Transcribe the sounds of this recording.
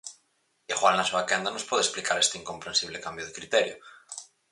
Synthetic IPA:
exwallasuakend̪anospwoðesplikaɾest̪eiŋko̞mpɾensiβ̞lekambjoð̞ekɾit̪eɾjo

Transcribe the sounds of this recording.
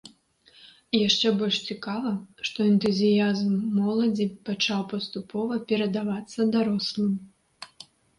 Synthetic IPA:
jaʂt͡ʂɛbɔlʲʂt͡sʲikavɐʂt̪ɔɛnt̪uzʲijazmːɔlˠɐd͡zʲipat͡ʂawpɐst̪upʰɔvɐpʲɛɾɐd̪avat̪sːɐd̪aɾɔslˠɨm

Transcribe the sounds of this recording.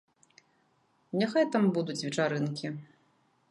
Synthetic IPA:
nʲaxajt̪ambud̪ut͡sʲvʲɛt͡ʂaɾɨnkʲi

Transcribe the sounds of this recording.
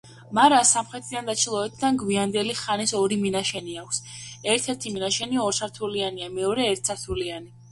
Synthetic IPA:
maɾasamχɾɛt̪ʰid̪and̪at͡ʃʰilˠɔɛt̪ʰd̪anɡwiand̪ɛliχanisɔɾiminaʃɛniakʷʰsɛɾt̪ʰɛɾt̪ʰiminaʃɛniɔɾsʰaɾt̪ʰulianiamɛɔɾɛːɾt̪̚ʰsʰaɾt̪ʰuliani

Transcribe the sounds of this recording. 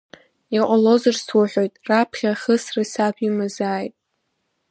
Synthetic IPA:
iqʷʼalo̞zɨrswaħʷᶣojtʼrapʰχʲaχəsrɨsapʷʰimazaːjtʼ

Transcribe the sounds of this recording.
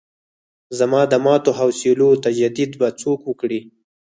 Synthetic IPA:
zamɑd̪əmɑt̪oɦawsilot̪ad͡ʒad̪ɪd̪bat͡sokwəkɽi

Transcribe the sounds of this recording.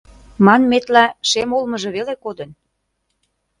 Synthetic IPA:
mɑnmet̪læʃemolmɤ̆ʒɤ̆βelekod̪ə̆n

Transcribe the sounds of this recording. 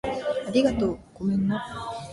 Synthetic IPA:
aɾʲiɡat̪oːɡ̥omẽnːo

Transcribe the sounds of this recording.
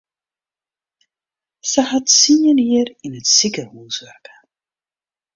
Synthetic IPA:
səɦɑtsiɲəniːərɪnətsikərhuːsʋɛrkə

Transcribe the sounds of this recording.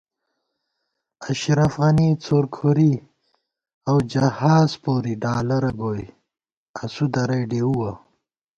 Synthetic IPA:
aʃɾafɣanit͡soːɾkʰoɾi | awd͡ʒɐhaːzpoːɾiɖaːlɐɾɐɡoj | asud̪ɐɾɐjɖeuwa

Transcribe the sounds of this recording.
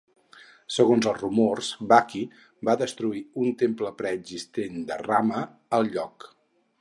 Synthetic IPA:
səɣonzəlˠzrumorzbaki | baðəst̪ɾuiunt̪empləpɾəːɡzist̪end̪əramə | əlˠʎɔk

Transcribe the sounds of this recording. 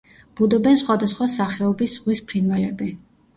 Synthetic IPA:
b̥ud̪ɔbɛnsχwad̪asχwasaχɛɔbisʁwispʰɾinvɛlɛbi

